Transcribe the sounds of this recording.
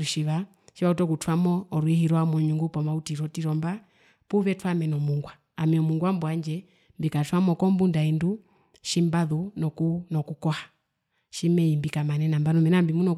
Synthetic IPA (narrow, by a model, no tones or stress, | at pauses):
uʃiʋa | ʃiβautɔkutwamɔːɾwihiɾɔamɔɲuŋɡupɔmautiɾɔtiɾɔmba | puβɛtʰwamɛnɔmuŋɡwa | amɛɔmuŋɡwambwaɲd͡ʒɛ | mbikatwamɔkɔmbundaɛndu | ʃimbaðunɔkunɔkukɔhḁ | ʃimɛimbikamanɛnambanɔmɛnambimunɔ